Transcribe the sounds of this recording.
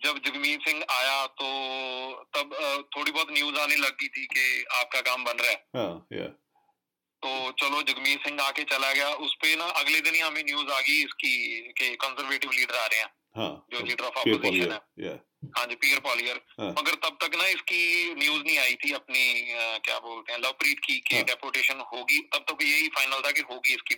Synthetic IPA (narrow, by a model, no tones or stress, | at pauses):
d͡ʒəbd͡ʒəɡmiːsɪ̃ŋɡaːjaːt̪oːt̪əbt̪ʰoːɽibɔːt̪njuːzaːneləɡ̚ːit̪ʰiːkeaːp̚kakaːmbənɾaɛːɦj̰ | t̪oːt͡ʃəloːd͡ʒəɡmiːsɪ̃ŋɡaːket͡ʃəlaɡɪjaːʔʊspenaʔəɡled̪ɪnːamẽnjuːzaːɡəiɪskiːkekɔ̃ːnsəɾʋeːʈɪʋliːɖəɾaːɾəɦeɦɛ̃ː | ɦã̰d͡ʒoːliːɖəɾɔːfɔːoːziːʃənɦɛːj | ɦãːd͡ʒiːpiːəɾpɔːliːəɾməɡəɾt̪əb̚t̪əknaɪskinjuːznəĩaːit̪ʰiəpnikja̰ːboːlt̪eɦɛ̃ːləʋpɾiːʈ̪kikeɖɛːpoːɾʈeːʃənɦoːɡiːt̪əb̚t̪əkjeɦiːfʰaːɪnəlt̪ʰakeɦoːɡiɪski